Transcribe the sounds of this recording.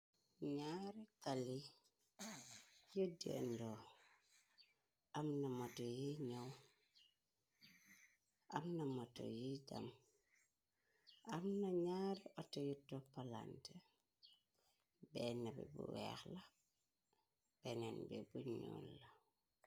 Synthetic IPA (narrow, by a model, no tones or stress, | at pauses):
ɲaɾikali | judḛndo | amnamotojiɲow | amnamoto̰jida̰m | ʔamnaɲaɾiʔotojutːopala̰nte | bɛnabɛ̰bṵwɛ̰xla | b̥enenbḛbuɲo̰ːnla